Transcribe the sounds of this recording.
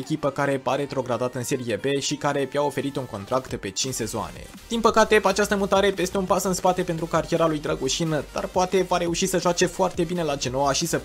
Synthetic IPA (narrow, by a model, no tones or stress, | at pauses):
ekʲipəkaɾe̞paɾe̞t̪ɾo̞ɡɾad̪at̪əɨnse̞ɾije̞be̞ʃikaɾe̞bjao̞fe̞ɾit̪uŋko̞nt̪ɾakt̪pe̞t͡ʃint͡ʃse̞zoa̰ne̞̰ | d̪̥inpəkat̪e̞pat͡ʃast̪əmut̪aɾe̞pe̞st̪e̞unpasɨnspat̪e̞pent̪ɾukaɾije̞ɾalujd̪ɾəɡuʃinəd̪̥a̰rpoat̪e̞vaɾe̞uʃisəʒoat͡ʃe̞foart̪e̞bine̞lad͡ʒe̞no̞aʃisə